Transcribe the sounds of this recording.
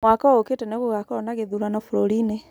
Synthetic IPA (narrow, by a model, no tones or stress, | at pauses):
mwakɔɣoketɛneβuɣakɔɔnaɣeðuɾanɔfuɾoɾine